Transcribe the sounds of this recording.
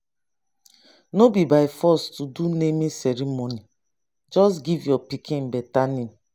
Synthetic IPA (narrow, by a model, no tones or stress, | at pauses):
nobibaɪfɔstudunemĩsɛɹimoni | d͡ʒɔsɡivjɔpikʰĩnbɛtani